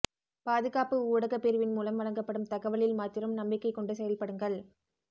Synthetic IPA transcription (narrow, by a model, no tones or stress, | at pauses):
paːðɯɣaːpɯuːɽɐɣɐpːɛɾɯʋɪnmuːlɐmʋɐɻɐŋɡɐpːɐɽɯmt̪ɐɣɐʋɐɭɪlmaːt̪ːɪɾɐmnɐmbɪkːɐɪkːɔɳɖɯsɛjɐlpɐɽɯŋɡɐɭ